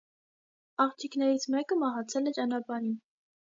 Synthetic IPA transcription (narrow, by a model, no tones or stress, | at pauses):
ɑχt͡ʃʰikʰnɛɾit͡sʰmɛkəmɑɦɑt͡sʰɛlɛt͡ʃɑnɑpɑɾin